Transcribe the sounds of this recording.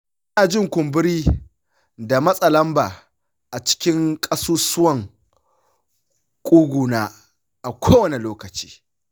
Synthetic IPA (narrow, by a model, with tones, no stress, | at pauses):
ʔɐ˦naː˨d͡ʒɪ˦ŋkʷʊ˨mbɪ˦ɾiː˦ | da˨mɐ˦sʼɐ˨lɐ˦mba̰ː˨ | ʔa˨t͡ʃɪ̥˦kʲɪ˦ŋkʼɐ˦suː˦sʊ˦wɐ˦˨ŋ | kʷʼuː˦ɡʷuː˨naː˦ | ʔa˨kʷʰoː˦wɐ˨ne˨loː˦kɐ˨t͡ʃi̥ː˦